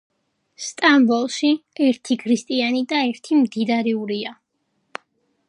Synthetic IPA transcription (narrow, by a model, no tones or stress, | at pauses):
st̪ʼambɔlˠʃiɛɾt̪ʰikʰɾist̪ʼianid̪aɛɾt̪ʰimd̪id̪aɾɛuɾia